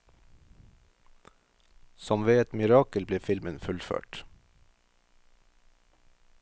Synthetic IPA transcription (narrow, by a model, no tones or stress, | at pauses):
sɔmʋeːɛt̪mɪɾɑːkəlbleːfɪlmənfʉlfø̰ːʈ